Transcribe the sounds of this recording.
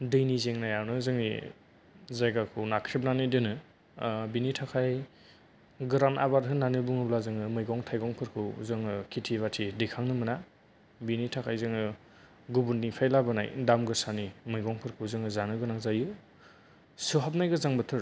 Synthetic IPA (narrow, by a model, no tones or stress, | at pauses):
dɯjnizeŋnajawnɯzɯŋnḭ | zajɡakʰɯwnakʰɾip̚nanidɯnɯ | binitʰakʰaj | ɡɯɾana̰baɾɦɯnanɯbuŋɯblazɯŋɯmɯjɡɔŋtʰajɡɔŋpʰɯɾkʰɯwzɯŋɯkʰitʰiβatʰidɯjkʰaŋnɯmɯna | binitʰakʰajzɯŋɯ | ɡubunːipʰajlabɯna̰jdamɡɯsanimɯjɡɔŋpʰɯɾkʰɯwzɯŋɯzanɯɡɯnaŋzajɯ | sɯɦap̚najɡɯzaŋbɯtʰɯɾ